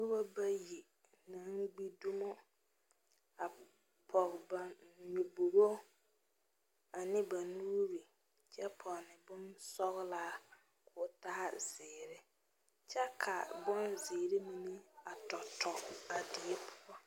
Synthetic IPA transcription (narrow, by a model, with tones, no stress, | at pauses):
bu˦ba˦ba˦ji˨ | na˨˦ŋ˦ɡ͡bi˦du˦mɔ˦ | a˨ | pʰɔ˨ɣba˨mi˨bu˨ɾo˦ | a˨nɪ˦ba˨nuː˦ɾi˨ | t͡ʃɛ˦pʰɔ˨nɪ˨bʊ˦nsɔ˦ɣlaː˦ | kʰʊː˨ta˦a˦z̥ɪː˨ɾɪ˦ | t͡ʃɛ˦kʰa̰˨bɔ˦nzɪː˨ɾɪ˦mi˨ni˦a˨tɔ˨tɔ˨a˨dɪ˨e˦pʰʊ˦ɔ˦